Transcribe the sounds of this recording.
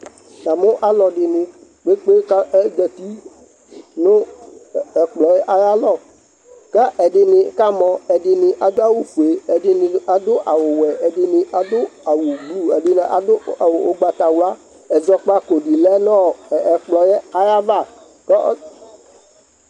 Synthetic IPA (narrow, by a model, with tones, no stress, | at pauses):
ta˨mo˦ʔa˦lɔ˨ɖɪ˨nɪ̃˨ | k͡pe˦k͡pe˦ka˦ɛ˦ɡɛ˨t̪i˦ | nõ˦ | ɛ˨k͡plɔ˨jɛ˦ʔa˦ja˦lɔ˦˨ | kɛ˦ʔɛ˨ɖɪ˨nɪ̃˨˦ka˦mɔ̃˨ɛ˨ɖɪ˨nɪ˨ʔa˨d̪o˦a˦wu˦fu˨e˨ɛ˨ɖɪ˨ni˨a˦d̪o˦ʔa˨wo˨wɛ˨ɛ˨ɖɪ˨nɪ̃˨ʔa˦d̪ʊ˦a˨wu˨ɡ͡blu˦e˨ɖɪ˨ne˨ʔa̰˨d̪o˦a˨wo˨ʔo˦ɡ͡ba˨t̪a˨wu˦a˦ | ɛ˨zɔ˦k͡pa˦ko˨ɖi˨lɛ˦nɔ̃˦˨ɛ˨k͡plɔ˨jɛ˦a˦ja˦va˦˨ | kɛ˦